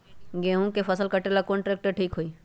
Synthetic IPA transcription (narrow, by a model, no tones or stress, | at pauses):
ɡeːɦũkepʰəsəlkəʈelakonʈɾeːk̚ʈəʈʰiːkɦoiː